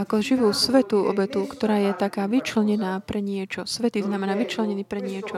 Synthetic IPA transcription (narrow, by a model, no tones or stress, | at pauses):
akɔʒiʋuːsʋɛt̪uʔɔ̰bɛt̪ukt̪ɔɾaːjɛt̪akaːʋit͡ʃlɛɲɛnaːpɾɛɲɪɛt͡ʃɔsʋɛt̪iznamɛnaːʋit͡ʃlɛɲɛniːpɾɛɲɪɛt͡ʃɔ